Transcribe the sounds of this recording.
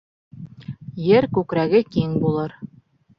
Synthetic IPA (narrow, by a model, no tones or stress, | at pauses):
jɘɾkʉkɾæɡɘkiŋbulˠɤɾ